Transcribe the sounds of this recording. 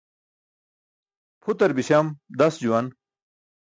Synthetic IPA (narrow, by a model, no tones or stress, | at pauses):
pʰut̪ɐɾbiɕɐmd̪ɐsd͡ʑuwɐn